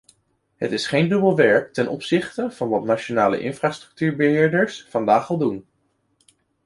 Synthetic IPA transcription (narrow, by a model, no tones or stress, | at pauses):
ɦətɪsχejndɵbəlˠʋɛɹk̚tɛnʔɔ̰psɪχtəv̥ɑnʋɑtnat͡ʃonaːlə̰ʔɪ̰nfraːstrɵ̥k̚tyːɹbəɦɪːɹdəɹsfɑndaːχɑlˠdun